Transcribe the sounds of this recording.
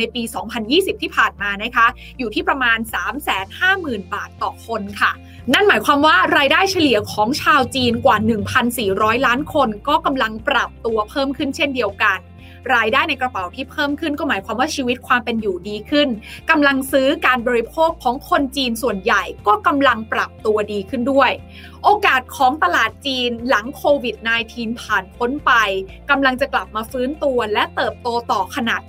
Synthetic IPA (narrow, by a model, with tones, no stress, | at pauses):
a˧jpiː˧sɔː˩˦ŋpʰa˧njiː˥˩si˨˩p̚t̪ʰiː˥˩pʰaː˨˩nmaː˧na˦˥kʰa˦˥ | juː˨˩t̪ʰiː˥˩pɾa˧maː˧nsaː˩˦msɛː˩˦nhaː˥˩mɯː˨˩nbaː˨˩t̪ːɔː˨˩kʰo˧nkʰa˥˩ | na˥˩nmaː˩˦jkʰwaː˧mwaː˥˩ɾaː˧jdaː˥˩jt͡ɕʰa˧li˨˩ɐkʰɔː˩˦ŋt͡ɕʰaː˧wt͡ɕiː˧nkwaː˨˩nɯ˨˩ŋpʰa˧nsiː˨˩ɾɔː˦˥jlaː˦˥nkʰo˧nkɔː˥˩ka˧mla˧ŋpɾa˨˩p̚t̪u˧ɐpʰɤː˥˩mkʰɯ˥˩nt͡ɕʰe˥˩ndi˧əwka˧n | ɾaː˧jdaː˥˩jna˧jkɾa˧pa˨˩wt̪ʰiː˥˩pʰɤː˥˩mkʰɯ˥˩nkɔː˥˩maː˩˦jkʰwaː˧mwaː˥˩t͡ɕʰiː˧wi˦˥t̪̚kʰwaː˧mpe˧njuː˨˩diː˧kʰɯ˥˩nka˧mla˧ŋsɯː˦˥kaː˧nbɔː˧ɾi˧pʰoː˥˩kʰːɔː˩˦ŋkʰo˧nt͡ɕiː˧nsu˨˩ənja˨˩jkɔː˥˩ka˧mla˧ŋpɾa˨˩p̚t̪u˧ɐdiː˧kʰɯ˥˩ndu˥˩əj | ʔoː˧kaː˨˩t̪̚kʰɔː˩˦ŋt̪a˧laː˨˩t̪̚t͡ɕiː˧nla˩˦ŋkʰoː˧wi˨˩t̪̚naː˧jt̪ʰiː˧npʰaː˨˩npʰo˦˥npa˧j | ka˧mla˧ŋt͡ɕa˨˩kla˨˩p̚maː˧fɯː˦˥nt̪u˧ɐlɛ˦˥ʔt̪ɤː˨˩p̚t̪oː˧t̪ɔː˨˩kʰa˧na˨˩t̪̚